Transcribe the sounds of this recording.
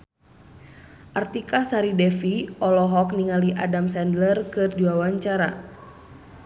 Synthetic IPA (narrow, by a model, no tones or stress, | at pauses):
ʔart̪ikasaɾidɛfiʔɔlɔɦɔk̚niŋaliʔadamsɛndlərkɨrduwawaɲt͡ʃaɾa̰